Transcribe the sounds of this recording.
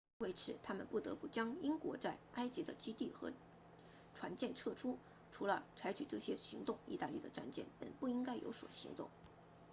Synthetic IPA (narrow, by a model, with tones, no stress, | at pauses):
we˥˩ɪt͡sʰɻ̩˧˥t̪ʰa˥mə˨npu˥˩t̪ɤ̰˧˥pu˥˩t͡ɕjɑ˥ŋi˥ŋkwɔ˧˥t͡sa˥˩ɪa˥ɪt͡ɕi˧˥d̪ə˨t͡ɕi˥t̪i˥˩xɤ̰˧˥ | ʈ͡ʂʰwa˧˥nt͡ɕjɛ˥˧nʈ͡ʂʰɤ˥˩ʈ͡ʂʰu˥ | ʈ͡ʂʰu˧˥lə˧t͡sʰa˧˥ɪt͡ɕʰy˨˩ʈ͡ʂɤ˥˩ɕjɛ˥ɕi˧˥ŋt̪ʊ˥˩ŋḭ˧˥t̪a̰˥˧lḭ˥˩d̪ə˩ʈ͡ʂa̰˥˧nt͡ɕjɛ̰˥˩npə̰˨˩npu˥˩i˥ŋka˥ɪjo̰˧˥ʊswɔ̰˨˩ɕḭ˧˥ŋt̪ʊ̰˥˩ŋ